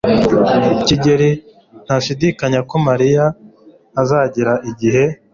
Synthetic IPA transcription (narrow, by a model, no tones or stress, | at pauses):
ciɟeɾi | n̥haʃidikaɲako̞maɾijaː | zaːɟiɾaʔiɟihe̞